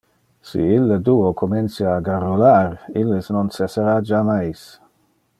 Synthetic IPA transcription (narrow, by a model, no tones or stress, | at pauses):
sḭilːəd̪uokʰomensjaːɡarolaɾilːəsnonsesəɾad͡ʒamajs